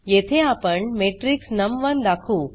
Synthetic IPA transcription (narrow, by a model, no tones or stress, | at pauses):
jet̪ʰeapəɳmeːʈɾiksnɐmʋənd̪akʰuː